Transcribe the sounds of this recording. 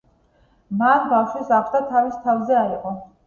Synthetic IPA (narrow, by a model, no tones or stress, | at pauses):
manbafʃwɛsaχʰt̪ʰat̪ʰavist̪ʰavzɛaiqʼɔ